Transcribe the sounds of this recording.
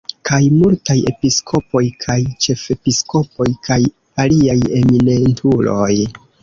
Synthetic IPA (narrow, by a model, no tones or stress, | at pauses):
kʰajmultaje̞̰piskʰo̞po̞jkʰajt͡ʃe̞fe̞piskʰo̞po̞jkʰaj | aliaje̞minentʰulo̞j